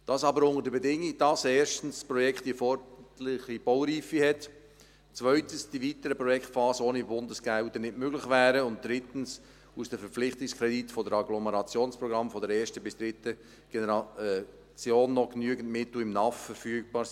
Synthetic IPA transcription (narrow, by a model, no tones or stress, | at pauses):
d̥ɑsɑbəɾʊŋəɾdəbɛdɪŋiɡ̚d̥ɑseːʃtn̩sspɾɔjɛkχtifɔɾtlɪχib̥owɾiːfihɛt | t͡svœʏtən̩sd̥ivitəɾəpɾɔjɛktfɑːsəoːnibʊndəsɡ̥ældənɪtmøɡlɪχvæːɾəʊnt̚d̥ɾɪtn̩s | usd̥əfəɾp͡flɪχtɪkskɾɛditfɔdəɾɑɡlɔməɾɑt͡sjoːnspɾɔɡɾɑmfɔdəɾɛːʃtəbɪsd̥ɾɪtə | ɡ̥enɛɾɑ | t͡sjoːnːɔknyəɡən̩tmɪt̪l̩ɪmnɑffəɾfyːɡ̚b̥ɑː